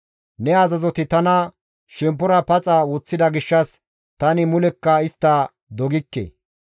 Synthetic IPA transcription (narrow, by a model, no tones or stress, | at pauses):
nɛɐzɐzɔt̪ɪt̪ɐnɐ | ʃɛmp̬ːɔɾɐpɐt͡sʼɐwɔt͡sːɪd̪ɐɡɪʃːɐs | t̪ɐnɪmʊlɛkːɐɪst̪ːɐ | d̪ɔɡɪkːḛ